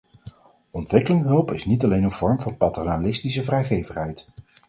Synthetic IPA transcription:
ɔntʋɪkəlɪŋɦɵlˠpɪsnitɑlejnənv̥ɔɹmvɑnpɑtonalɪstis̬əvrɛjχejvəχɦɛjt

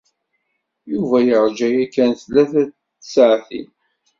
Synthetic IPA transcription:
juvæjəɾˤd͡ʒæjækːænθlːæθæ̥ | sʕθḭn

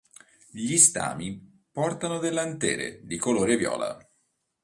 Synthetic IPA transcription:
ʎist̪a̰ːmi | pɔrt̪anod̪elːant̪eːɾḛd̪ikoloːɾevjɔ̰ːla̰

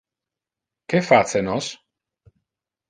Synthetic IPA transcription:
kefat̪t͡senos

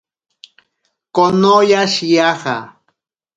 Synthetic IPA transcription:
konojaʃjaχa̰

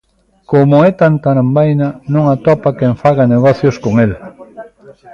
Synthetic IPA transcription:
komoɛt̪ant̪aɾambajnanõŋat̪ɔpakeɱfaɣaneɣɔθjoskoŋel

